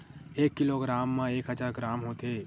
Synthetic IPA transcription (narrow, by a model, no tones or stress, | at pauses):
eːkːɪloɡɾaːmːãeːkɦəd͡ʒaːɾɡɾaːmɦoːt̪eː